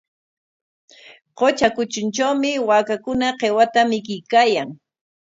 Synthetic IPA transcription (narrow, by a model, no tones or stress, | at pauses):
qot͡ʃakʊt͡ʃʊnt͡ʃawmɪwaːkakʊnaqewat̪amɪkɪjkaːjaŋ